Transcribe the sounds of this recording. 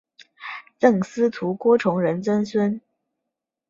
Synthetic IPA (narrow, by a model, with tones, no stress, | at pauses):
t͡sɤ˥˩ŋsɹ̩˥t̪ʰu˧˥kwɔ˥ʈ͡ʂʰʊ˧˥ŋɻə˧˥nt͡sə˥nswə˥n